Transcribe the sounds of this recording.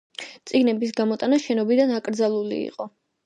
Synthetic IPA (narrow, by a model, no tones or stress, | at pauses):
t̪sʼiɡnɛbisɡamɔt̪ʼanaʃɛnɔbid̪anakʼɾd̪zalˠulḭːqʼɔ